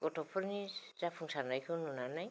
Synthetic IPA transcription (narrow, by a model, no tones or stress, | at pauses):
ɡɔtɔpʰɔɾnizapʰuŋsanajkʰɯnunanaj